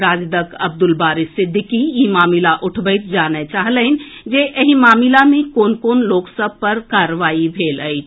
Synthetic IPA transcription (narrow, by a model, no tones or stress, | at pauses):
ɾaːd͡ʒd̪əkəb̚d̪ʊlbaːɾisɪd̪ʱːɪkijimaːmilaʔʊʈʰbəɪt̪d͡ʒaːnet͡ʃaːɦləɪnd͡ʒeʔəɦimaːmilamẽkoːnkoːnloːksəb̚ʱpəɾkaːɾʋaːibʱeːləɪt͡ʃʰ